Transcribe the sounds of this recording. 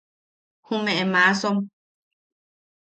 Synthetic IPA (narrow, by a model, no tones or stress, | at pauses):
hũmẽʔemasom